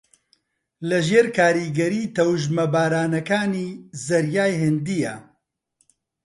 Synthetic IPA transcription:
lɐʒeːɾkʰaːɾiːɡɐɾiːt̪ʰɐwʒmɐbaːɾaːnɐkaːniːzɐɾjaːjhɪnd̪iːja̰

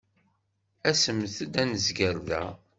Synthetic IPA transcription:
æsəmθəd̪ænəzɡəɾðæ̰

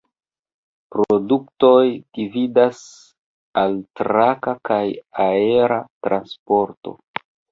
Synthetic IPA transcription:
pɾo̞dukto̞jd̥ividas | altɾakakajae̞ɾatɾanspo̞ɾto̞̰

